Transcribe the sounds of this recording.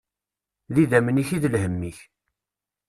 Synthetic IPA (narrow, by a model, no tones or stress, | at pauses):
liðæməniçiðəlhəmːiç